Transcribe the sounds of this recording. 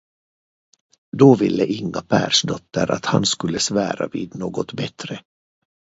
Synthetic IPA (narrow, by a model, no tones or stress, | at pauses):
d̪oːvɪlːəʔɪŋːapʰæːɾʂd̪ɔt̪ːəɾa̰t̪hanskɵlːəsvæːɾa̰viːd̪noːɡɔt̪bɛt̪ɾə